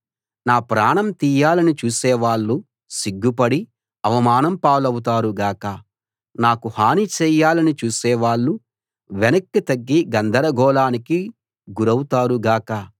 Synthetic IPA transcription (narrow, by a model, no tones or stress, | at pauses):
naːpɾaːɳɐmt̪iːjaːlɐnit͡ʃuːsɛːʋaːɭːu | siɡːupɐɽi | ɐʋɐmaːnɐmpaːlɐwut̪aːɾuɡaːkɐ | naːkuhaːnit͡ʃɛːjaːlɐnit͡ʃuːsɛːʋaːɭːu | ʋɛnɐkːit̪ɐɡːiɡɐnd̪ʱɐɾɐɡɔːlaːniki | ɡuɾɐwut̪aːɾuɡaːkɐ